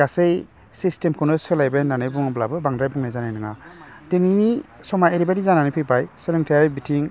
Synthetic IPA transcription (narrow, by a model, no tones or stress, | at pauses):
ɡasej | sistemkʰɯnɯsɯlajbenanɯjbuŋblabɯbaŋdɾajbuŋnajzanajnɯŋa̰ | denini | sɔmaeɾibadizananɯjpʰijpajsɯlɯŋtʰaaɾbitʰiŋ